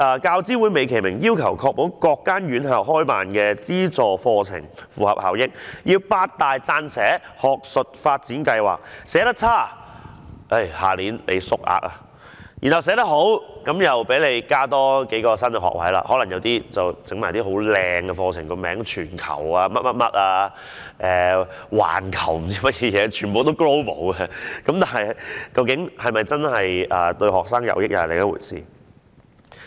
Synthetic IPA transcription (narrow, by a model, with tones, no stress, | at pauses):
ʔɐː˨kaː˧wt͡siː˥wuː˨˥jme˨˧jkʰe˨˩jmɪ˨˩ŋjiː˥wkʰɐ˨˩wkʰɔː˧k̚po˨˥wkɔː˧kːaː˥nɥyː˨˥nhœː˨k̚hɔː˥jpaː˨nkɛː˧t͡siː˥t͡sɔː˨fɔː˧t͡sʰɪ̰˨˩ŋfuː˨˩hɐ˨p̚ha̰ː˨˩wjɪ˥k̚ji˧wpaː˧t̚t̪aː˨jt͡saː˧nsɛː˨˥hɔː˨k̚sɵ˨t̚faː˧t̚t͡siː˨˥nkɐ˧jwa̰ː˨˩k̚sɛː˨˥t̪ɐ˥t͡sʰaː˥˩ | ʔe˥jha̰ː˨˩liː˨˥nlḛ˨˧jsʊ˥k̚ʔa̰ː˨˧k̚a˧ | jiː˨˩nhɐ˨wsɛː˨˥t̪ɐ˥k̚ɦo˨˥wkɐ˨˥mjɐ˨wpe˨˥jle˨˧jkaː˥t̪ɔː˥ke˨˥kɔː˧sɐ˥nkɛ˧ɦɔ̰ː˨k̚wɐ̰˨˥jla̰ː˧˥hɔː˨˥lɐ˨˩ŋjɐ˨˧wt̪iː˥t͡sɐ˨wt͡sɪ˨˥ŋmaː˨˩jt̪iː˥ɦo˨˥wlɛː˨˧ŋkɛ˧fɔː˧t͡sʰɪ̰˨˩ŋkɔ˧mɛː˨˥ŋt͡ʃʰyː˨˩nkʰɐ̰˨˩waː˧mɐ˥t̚mɐ˥t̚mɐ˥t̚aː˧ | ʔɛː˨wa̰ː˨˩nkʰɐ˨˩wm̩˨˩t͡siː˥mɐ˥t̚jɛː˧jɛː˨˧t͡ʃʰyː˨˩npo˨wt̪o˥wkɹo˥wpo̰˨˥wkɛ˧kɐ˨˥mt̪aː˨˩nhɐ˨jkɐ˧wkɪ˨˥ŋhɐ˨jmɐ˨jt͡sɐ˥nhɐ˨jʔɐː˨t̪ɵ˧ɥɦɔː˨k̚saː˥ŋjɐ̰˨˧wjɪ˥k̚jɐ̰˨˩lḛ˨˩ɐ˥wṵː˨˩jsiː˨